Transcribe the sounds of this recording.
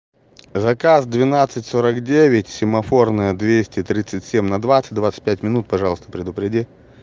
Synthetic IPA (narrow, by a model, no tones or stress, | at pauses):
zɐkazd̪vʲɪnat̪sɨtʲsoɾəkdʲevʲɪtʲsʲɪmɐfo̞rnəjəd̪vʲesʲtʲɪt̪ɾʲit̪sɨtʲsʲemʲnɐd̪vat̪sɨt̚ʲd̪vat̪sɨ̥tʲpʲætʲmʲɪnut̪̚pɐʐalˠəst̪ə̥pɾʲɪd̪ʊpɾʲɪdʲi